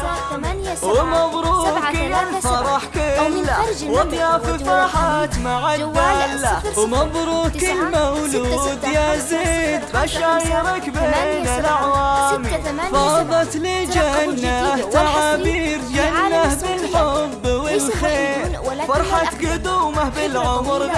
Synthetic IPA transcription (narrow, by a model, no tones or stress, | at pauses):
wɪmɑðˤɾuːkɪlfɑɾˤɑħkʊlwʔɑd̪ˤjɑfɪfaːħaːt̪maʕabalwmɑðˤɾuːkɪlmawlud̪jazid̪baʃajɪɾɪkbeːnɪlʔaʕwaːmifɑðˤɑt̪lɪd͡ʒanːaʔht̪aʕabiːɾd͡ʒanːahbɪlħobːwɪlxeɾfɑɾˤħɑt̪ɡɪd̪uːmahbɪlʕʊmɾ